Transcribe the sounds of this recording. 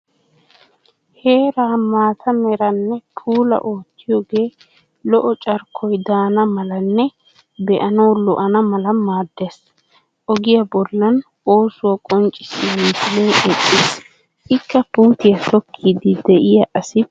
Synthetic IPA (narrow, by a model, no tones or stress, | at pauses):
he̞ːɾaːmaːt̪ʰɐmɛɾɐnːɛpʰuːlɐ̰ʔo̞ːt̪ːɪjɔːɡe̞ː | lɔʔɔt͡ʃʼɐɾkʰːɔjd̪aːnɐmɐlɐnːɛ | bɛʔɐnɐwlɔʔɐnɐmɐlɐmaːd̪ːeːs | ʔɔɡɪjɐbɔlːɐn | o̞ːsʊwɐkʼɔnt͡ʃʼːɪsɪmiːt̪ɪleːʔɛtʼːɪːs | ɪkːɐpuːt̪ɪjɐt̪ɔkʰːiːd̪ɪd̪ɛʔɪjɐʔɐsɪ